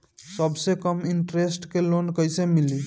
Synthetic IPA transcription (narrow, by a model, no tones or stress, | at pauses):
səbsekəmiɳʈɾesʈkelonkəjsemili